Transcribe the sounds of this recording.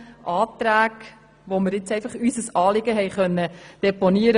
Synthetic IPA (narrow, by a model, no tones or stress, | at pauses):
ʔɑːt̪ɾæːɡ | ʋoməɾɪt͡sɛɪfɑχysəsɑːlɪɡ̥əɦɛɪχœnːəd̥ɛponiəɾə